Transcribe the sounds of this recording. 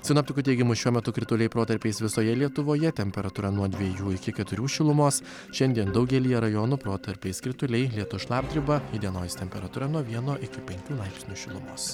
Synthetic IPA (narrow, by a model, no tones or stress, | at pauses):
sʲɪnoːpʲt̪ʲɪkʊːt̪ʲɛɪɡʲɪmʊʃʲuɔmʲɛt̪ʊkɾʲɪt̪ʊlʲɛɪpɾoːt̪ɐɾʲpʲeɪsʋʲɪsoːjɛlʲiɛt̪ʊʋoːjɛt̪ʲɛmʲpʲɛɾɐt̪uːɾɐnuɔd̪ʲʋʲiɛjuːɪkʲɪkʲɛt̪ʊɾʲuːʃʲɪlˠʊmoːs | ʃʲɛnʲd̪ʲiɛnd̪ɒʊɡʲɛlʲiːjɛɾɐjoːnʊpɾoːt̪ɐɾʲpʲeɪskɾʲɪt̪ʊlʲɛɪlʲiɛt̪ʊʃlˠɑːb̚ʲd̪ʲɾʲɪbɐid̪ʲiɛnoːjst̪ʲɛmʲpʲɛɾɐt̪uːɾɐnuɔʋʲiɛnoːʔɪkʲɪpʲɛŋʲkʲuːlˠɐɪpsʲnʲuːʃʲɪlˠʊmo̰ːs